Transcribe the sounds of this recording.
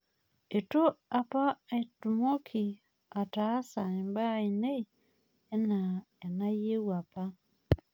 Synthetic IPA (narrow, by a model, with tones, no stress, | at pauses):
e˨to˦a˨pa˦e˨tu˨mo˦kʰi˨ | a˨ta˨˦sa˨i˨mba˦i˨neː˦˨˦ | na˨ | e˨na˦je˦wwa˨pa˦